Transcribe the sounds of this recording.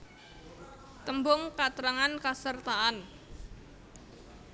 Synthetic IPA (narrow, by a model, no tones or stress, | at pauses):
t̪əmbʊŋkat̪ɾaŋankasərt̪aʔan